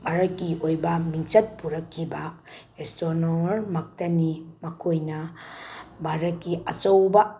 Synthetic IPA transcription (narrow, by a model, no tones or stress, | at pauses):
bʱaɾɐkːiojbɐmiŋt͡ʃɐt̚puɾɐkʰːiba | estonoɾmɐk̚tɐnimɐkʰojnɐ | bʱaɾɐkːiɐt͡ʃɐwba